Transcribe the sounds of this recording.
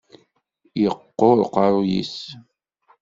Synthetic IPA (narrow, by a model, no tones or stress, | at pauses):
jəqːoɾqɑɾˤjḭs